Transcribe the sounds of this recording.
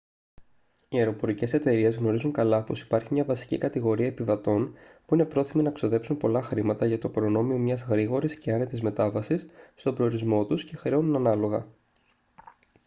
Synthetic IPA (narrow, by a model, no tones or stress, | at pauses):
ieɾo̞po̞ɾice̞se̞t̪e̞ɾie̞zɣno̞ɾizuŋkɐlɐpo̞si̥pɐɾçimɲɐvɐsi̥cikɐt̪iɣo̞ɾiɐepivɐt̪o̞npuine̞pɾo̞θiminɐkso̞ðe̞psumpo̞lɐxɾimɐt̪ɐʝɐt̪opɾo̞no̞mio̞mɲɐzɣɾiɣo̞ɾisceɐnet̪izme̞t̪ɐvɐsisst̪o̞bɾe̞oɾizmo̞t̪usce̞xɾeonunɐnɐlo̞ɣɐ̰